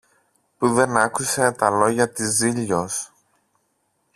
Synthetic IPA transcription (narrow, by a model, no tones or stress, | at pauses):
puðe̞nɐkuse̞t̪ɐlo̞ʝɐt̪iziʎo̞s